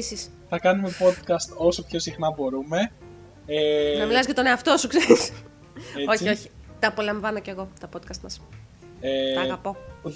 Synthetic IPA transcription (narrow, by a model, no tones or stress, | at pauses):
sis | θɐkɐnume̞po̞t̪kɐst̪o̞so̞pço̞sixnɐbo̞ɾume̞ | enɐmilɐzʝɐt̪o̞ne̞ɐft̪o̞sukseɾis | eo̞çio̞çi̥t̪ɐːpo̞lɐɱvɐno̞ce̞ɣot̪opot̪̚kɐst̪mɐs | eɐɣɐpo̞